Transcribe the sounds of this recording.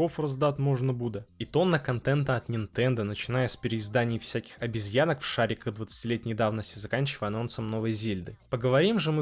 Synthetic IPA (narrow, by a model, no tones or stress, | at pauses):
ofrɐzd̪at̪ʲmo̞ʐnəbud̪əit̪o̞nːəkɐnt̪ɛnt̪əɐt̪nʲɪnt̪ɛnd̪ənət͡ɕɪnajəsʲpʲɪɾʲɪɪzd̪anʲɪjfsʲækʲɪ̥xɐbʲɪzʲjanəkfʂaɾʲɪkəɣd̪vət̪sɨ̥tʲɪlʲet̪ʲnʲɪjd̪avnəsʲtʲɪzɐkanʲt͡ɕɪvəjɐno̞nt̪səmno̞vəjzʲelʲd̪ɨpəɡəvɐɾʲimʐɨmɨ